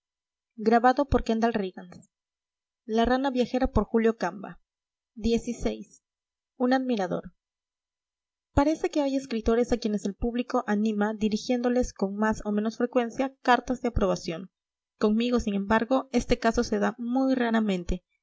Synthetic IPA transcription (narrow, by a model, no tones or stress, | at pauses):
ɡɾaβaðo̞po̞ɾkend̪alriɣans | laranaβjaxe̞ɾapo̞ɾxuljo̞kamba̰ | ðje̞sisejs | unaðmiɾaðo̞̰ɾ | paɾe̞se̞ke̞aje̞skɾit̪o̞ɾe̞sakje̞ne̞se̞lpuβliko̞ʔanĩmaðiɾixje̞nd̪o̞le̞sko̞ŋmaso̞me̞no̞sfɾe̞kwe̞nsjakaɾt̪azðe̞apɾo̞β̞asjoŋ | ko̞ŋmiɣo̞siŋẽ̞mbaɾɣo̞e̞st̪e̞kaso̞se̞ðamujraɾamẽnt̪e̞